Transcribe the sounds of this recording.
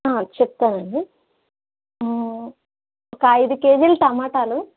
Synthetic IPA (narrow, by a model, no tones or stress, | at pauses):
aːt͡ʃɛp̚t̪aːnɐɳɖi | ɔkɐɐjd̪uke̞ːd͡ʒilʈ̪ɐmaːʈaːlu